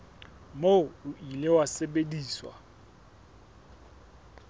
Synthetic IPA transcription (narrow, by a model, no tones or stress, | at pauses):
moʊilɪwasɛɓediːswa̰